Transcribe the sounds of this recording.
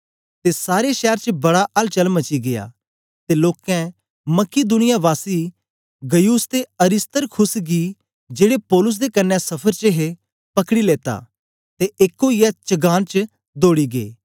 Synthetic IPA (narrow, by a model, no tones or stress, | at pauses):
t̪esaːɾeʃɛːɾt͡ʃəbɐɽaʔɐlt͡ʃɐlmɐt͡ʃiɡeja̰ː | t̪eloːkɛ̃ | mɐkid̪ʊnɪjaʋaːsi | ɡɐjuːst̪eɐɾɪst̪əɾkʰʊsɡi | d͡ʒeːɽepɔːlʊs̬d̪ekɐnːɛ̃sɐpʰəɾt͡ʃəɦe | pɐkɽileːt̪a̰ː | t̪eʔekːojat͡ʃəɡaːnt͡ʃ | d̪oːɽiɡḛː